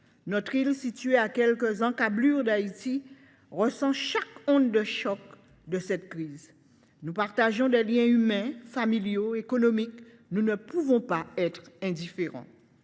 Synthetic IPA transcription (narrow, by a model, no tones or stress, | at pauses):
nɔt̪χilsit̪ɥeakɛlkəzɑ̃kablyʁd̪ait̪i | ʁəsɑ̃ʃakɔ̃d̪ːəʃɔk | d̪əsɛt̪̚kχiːz | nupaʁt̪aʒɔ̃d̪ɛljɛ̃ymɛ̃familjoekonomik | nunəpuvɔ̃paɛt̪χɛ̃d̪ifeʁɑ̰̃